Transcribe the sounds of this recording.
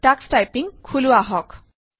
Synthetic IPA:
ʈaksʈajpiŋkʰuluaɦɔk

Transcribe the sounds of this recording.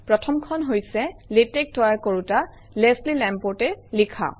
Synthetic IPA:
pɹɔtʰɔmkʰɔnɦojsɛletɛk̚tɔjaɹkoɹuta | leslilɛ̃mpotɛlikʰa̰

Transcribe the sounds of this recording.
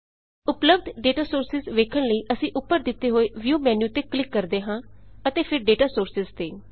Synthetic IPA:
ʊpləbd̪ɖeːʈaːsoːɾsɪzʋeːkʰəɽləiːʔəsĩːʔʊpːəɾd̪ɪt̪ːeːɦoːeːʋjuːmɛːnjuːt̪eːklɪkːəɾd̪eːɦãːət̪eːpʰɪɾɖeːʈaːsoːɾsɪzt̪eː

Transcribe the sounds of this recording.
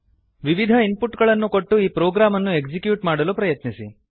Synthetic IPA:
ʋiʋid̪ʱɐimpuʈːɡɐɭɐnːuko̞ʈːuiːpɾoːɡɾaːmɐnːue̞kd͡ʒikjuːʈmaːɽɐlupɾɐjɐt̪nisḭ

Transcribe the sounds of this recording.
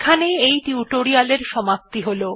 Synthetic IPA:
kʰaneejʈiuʈoɾialeɾʃɔmap̚t̪iɦolo

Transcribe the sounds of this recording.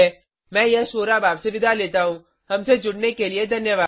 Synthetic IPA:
ɛ | mɛ̃ːjɛɦʃoːɾabaːbseʋɪd̪ʱaleːt̪aɦũː | ɦɐmsed͡ʒʊɽnekelied̪ʱɐnjəʋaː

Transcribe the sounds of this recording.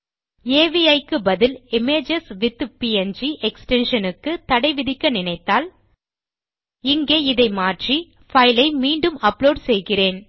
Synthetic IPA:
eːʋiɐɪkːɯbɐðɪlɪmeːd͡ʒɛsʋɪt̪ːɯpiɛnd͡ʒiʔɛksʈɛnʂɐnɯkːɯt̪ɐɽɐɪʋɪðɪkːɐnɪnɐɪt̪ːaːl | ɪŋɡeːɪðɐɪmaːʈri | fɐɪlɐɪmiːɳɖɯmɐploːɖsɛjɣɪreːn

